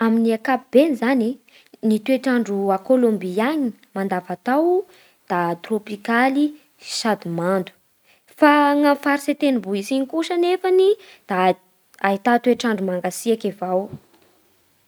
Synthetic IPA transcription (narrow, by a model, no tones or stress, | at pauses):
aminiakapib̥enizani | nit̪ueʈ͡ʂaɳɖ͡ʐuakolombiaɲi | mand̪avat̪aw | d̪̥at̪ropikali̥ | ʃad̪imand̪u̥ | faŋamfaɾset̪enibuisiɲikuʃənefani | d̪̥a | ait̪at̪weʈ͡ʂaɳɖ͡ʐumaŋɡasiakivaw